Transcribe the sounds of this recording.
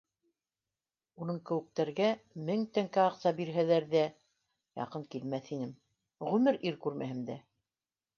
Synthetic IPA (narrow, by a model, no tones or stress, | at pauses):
unɤɴkɘ̆wɘ̆k̚t̪æɾɡæmɘŋt̪æŋkæɑqsɑbiɾɦælæɾðæ | jɑ̰qɤŋkilmæθinɘm | ʁʉmɘɾiɾkʉɾmæ̰ɦɘmd̪æ